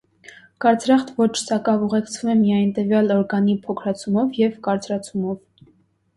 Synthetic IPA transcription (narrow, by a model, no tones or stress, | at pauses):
kɑɾt͡sʰɾɑχt̪vɔt͡ʃʰsɑkɑvuʁɛkt͡sʰvumɛmijɑjnt̪əvjɑlɔɾɡɑnipʰɔkʰɾɑt͡sʰumɔvjɛvkɑɾt͡sʰɾɑt͡sʰumɔv